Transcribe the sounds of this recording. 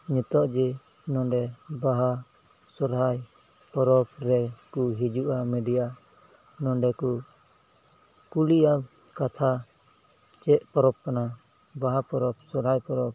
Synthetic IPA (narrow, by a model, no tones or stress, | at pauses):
ɲɛt̪ɔʔd͡ʒɛ | nɔ̃ɖɛbaɦa | sɔɾɦaj | pɔɾɔpɾɛkuɦid͡ʒuʔamɛɖija | nɔɖɛku | kulija | kat̪ʰa | t͡ʃɛʔpɔɾɔp̚kana | baɦapɔɾɔpsɔɾɦajpɔɾɔp̚